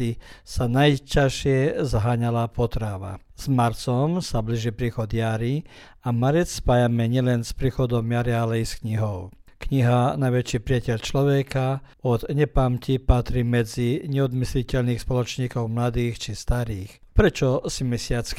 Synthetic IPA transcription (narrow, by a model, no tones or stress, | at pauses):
isanajcaʃɪɛzaɦaːɲalapɔt̪ɾaʋa̰ | z̥maɾt͡sɔmsabliʒipɾiːxɔd̪jaɾi | amaɾɛt͡sspaːjamɛɲɪɛlɛnspɾiːxɔd̪ɔmjaɾialɛiskɲiɦɔʊkɲiɦanajʋɛt͡ʃiːpɾɪacɛʎt͡ʃlɔʋɛka | ɔd̪ɲɛpamcipat̪ɾiːmɛd͡ziɲɛɔd̪mislicɛʎniːxspɔlɔt͡ʃɲiːkɔʊmlad̪iːxt͡ʃist̪aɾiːx | pɾɛt͡ʃɔsimɛsɪat͡s